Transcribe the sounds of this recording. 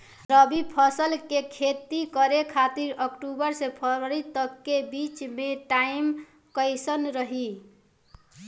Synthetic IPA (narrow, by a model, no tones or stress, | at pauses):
ɾəbipʰəsəlkekʰet̪ikəɾekʰat̪iɾəkʈubəɾsepʰəɾəɾit̪əkːebit͡ʃmeʈaim | kəɪsənɾəɦi